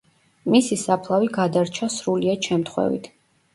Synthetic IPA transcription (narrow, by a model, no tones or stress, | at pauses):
misisapʰlˠaviɡad̪aɾt͡ʃʰasɾuliaʃɛmt̪ʰχwɛ̰vḭt̪ʰ